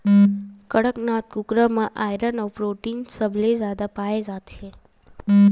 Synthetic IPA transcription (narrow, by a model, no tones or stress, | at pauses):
kəɽəknat̪̚kukɾəmãʔajɾənɔpɾoʈinsəblezjad̪apaed͡ʒat̪ʃe